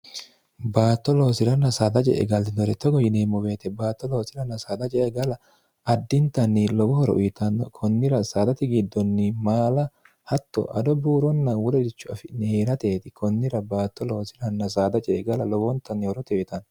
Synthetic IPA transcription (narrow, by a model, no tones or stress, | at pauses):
baːt̪ːɔloːsɪɾɐnːɐsaːd̪ɐt͡ʃʼɛ̰ʔɛ̰ɡɐld̪ɪd̪ɔɾɛt̪ːɔɡɔjɪneːmːʊbe̞ːt̪ɛbaːt̪ːɔloːsɪɾɐnːɐsaːd̪ɐt͡ʃʼɛʔɛɡɐlɐ | ʔɐd̪ːɪnt̪ːɐnːɪlɔbɔhɔɾɔ̰ʔʊjɪt̪ɐnːɔkʰɔnːɪɾɐsaːd̪ɐt̪ɪɡɪd̪ːɔnːɪmaːlɐ | hɐt̪ːɔ̰ʔɐ̰d̪ɔbuːɾɔnːɐwɔlɛd̪ɪt͡ʃːʊɐfɪneːɾɐt̪eːt̪ɪkʰɔnːɪɾɐbaːt̪ːɔloːsɪɾɐnːɐsaːd̪ɐt͡ʃʼɛʔːɡɐlɐlɔwɔnt̪ːɐnːɪhɔɾɔt̪ɛʊjɪt̪ɐn